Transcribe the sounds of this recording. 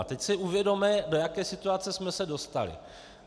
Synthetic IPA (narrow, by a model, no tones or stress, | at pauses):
at̪ɛcsɪʔuvjɛdo̞mɛdo̞jakɛːsɪt̪uat͡sɛsmɛsɛdo̞st̪a̰lɪ̰